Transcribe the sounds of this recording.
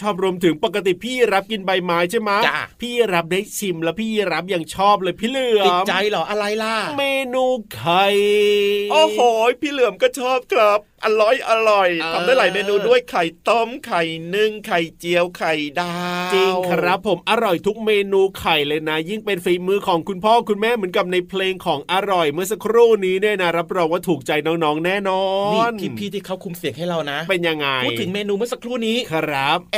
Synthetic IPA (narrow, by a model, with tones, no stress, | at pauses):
t͡ɕʰɔː˥˩p̚ɾu˧əmt̪ʰɯ˩˦ŋpo˨˩ka˧t̪̬i˨˩pʰiː˥˩˧ɾa˦˥p̚ki˧nba˧jmaː˦˥jt͡ɕʰa˥˩jma˦˥ʔpʰiː˥˩˥ɾa˦˥p̚daː˥˩jt͡ɕʰi˧mlɛ˦˥wpʰiː˥ji˧˩ɾa˦˥p̚jaː˨˩ŋt͡ɕʰɔː˥˩p̚lɤː˧jpʰiː˥˩lɯ˨˧˩əi˨m̚t͡ɕa˧jlɔː˨˦ʔa˧ɾa˧jla˧˩meː˧nuː˧kʰa˨˩jʔoː˨˧˩ɦoː˨˩˦pʰiː˥˩lɯ˨˩əmkɔː˥˩t͡ɕʰɔː˥˩p̚kʰɾa˦˥p̚ʔa˧lɔ˧˥jʔa˧ɾɔ˨˩jt̪ʰa˧mdaː˥˩la˨˦jmeː˧nuː˧du˥˩əjjkʰa˨˩jt̪o˥˩mkʰa˨˩jnɯ˧˩ŋkʰa˨˩jt͡ɕi˧əwkʰa˨˩jdaː˧t͡ɕi˧ŋkʰa˧ɾa˦˥pʰːo˩˦mʔa˧ɾɔ˨˩jt̪ʰu˦˥k̚meː˧nuː˧kʰa˨˩jlɤː˧jna˦˥ji˥˩ŋpe˧nfiː˨˩mɯː˧kʰɔː˩˦ŋkʰu˧npʰɔː˥˩kʰu˧nmɛː˥˩mɯ˩˦ənka˨˩p̚na˧jpʰleː˧ŋkʰɔː˩˦ŋʔaː˧ɾɔ˨˩jmɯ˥˩ɐsa˧kʰɾuː˥˩niː˦˥ni˥˩ɐna˦˥ɾa˦˥p̬̚ɾɔː˧ŋwaː˥˩t̪ʰuː˨˩k̚t͡ɕa˧jnɔː˦˥ŋnɔː˦˥ŋnɛː˥˩nɔː˧mi˧˥npʰiː˧pʰiː˧˩t̪ʰiː˥˩kʰa˦˥˩wkʰu˧msi˨˩˦əŋha˥˩jɾa˧wna˦˥pe˧nja˧ŋːa˧jt̪ʰɯ˩˦ŋmeː˧nuː˧mɯ˥˩ɐsa˧kʰɾuː˥˩niː˦˥kʰɾa˦˥p̚